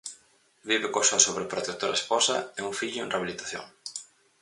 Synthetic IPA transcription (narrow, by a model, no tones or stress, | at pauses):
βiβekosasoβɾepɾot̪et̪oɾaesposɐɛuŋfiʎʊḛ̃nreaβilit̪aθjo̰ŋ